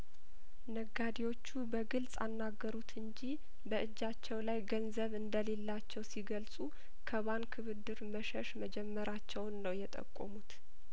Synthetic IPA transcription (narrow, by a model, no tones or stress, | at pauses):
nəɡːad̪iwo̞t͡ʃːubəɡɨlsʼa̰nːaɡːəɾut̪ʰɨɲd͡ʒi | bəʔɨd͡ʒːat͡ʃːɛwlajɡənzəβɨnd̪əle̞lːat͡ʃːɛwsiɡəlsʼu | kʰəβankʰɨβɨd̪ːɨɾməʃɛʃməd͡ʒɛmːəɾat͡ʃːɛwnːəwjɛt̪ʼə̰kʼːo̰mut̪